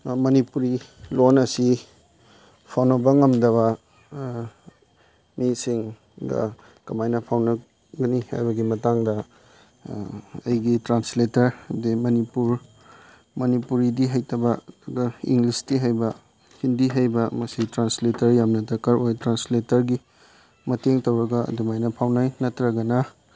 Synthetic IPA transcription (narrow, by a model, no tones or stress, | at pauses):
mɐnipuɾilonɐsi | pʰawnɐbɐŋɐmdɐβɐ | misiŋ | ɡɐ̰ | kɐmajnɐpʰawnɐ | ɡɐniha̰jbɐɡimɐtaŋdɐ | ɐjɡitɾansletɐɾdimɐnipuɾ | mɐnipuɾidiɦɐjtʰɐbɐɐɡɐḭŋɡlistiɦajbɐ | hindiɦɐjbɐmɐsitɾansletɐɾjamnɐtɐkɐɾojtɾansletɐɾɡi | mɐteŋtɐwɾɐɡɐ̰dumajnɐpʰawnajnɐtɾɐɡɐnɐ